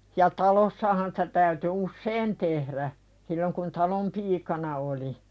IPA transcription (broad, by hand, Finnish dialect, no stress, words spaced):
jɑ tɑlosːɑhɑn sĭ̥tæ tæyty usːeːn tehɾæ silːoŋ kun tɑlom piːkɑnɑ oli